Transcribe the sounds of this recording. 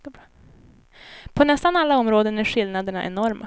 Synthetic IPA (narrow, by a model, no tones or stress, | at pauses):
pʰɔnɛst̪analːaɔmɾoːd̪ənæɾɧɪlnad̪əɳa̰ʔɛ̰nɔɾmʔa̰